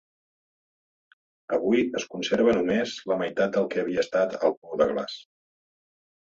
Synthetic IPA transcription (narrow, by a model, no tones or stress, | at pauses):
əβujəskunseɾβ̞ənumezləməjt̪at̪̚d̪əlˠkɛːβ̞iəːst̪at̪ə̰lˠpuwðəɣla̰s